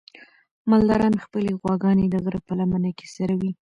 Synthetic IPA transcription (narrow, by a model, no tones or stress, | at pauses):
mald̪ɑɾɑnxpəleɣwɑɡɑned̪əɣəɾəpəlamanake̥saɾawi